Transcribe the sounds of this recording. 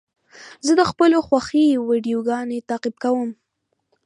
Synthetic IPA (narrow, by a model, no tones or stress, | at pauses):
zəd̪əxpəloxwaxiwiɖijoɡɑnet̪ɑqɪb̚kawəm